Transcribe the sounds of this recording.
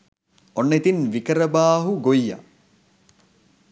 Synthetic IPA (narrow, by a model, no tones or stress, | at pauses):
onːet̪inʋikəɾəbaːɦuɡojːa̰